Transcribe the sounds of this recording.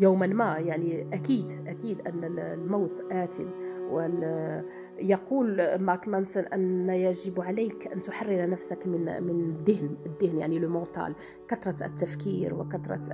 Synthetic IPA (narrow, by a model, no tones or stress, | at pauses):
juwmənmæjaʕniʔækid̪ʔækid̪ʔənːəlmawt̪ʔæt̪ənwəl | jɑquːlmɑɾkmænsənʔənːæjaʒəbʕalæjkʔæ̰nt̪ʊħarːɪɾnəfsəkmənmənd̪ːəhnəd̪ːəhnjaʕniləmõt̪ɑ̰l | kɑt̪ɾˤɑə̰t̪ːæfkiɾwə̰kɑt̪ɾˤɑ̰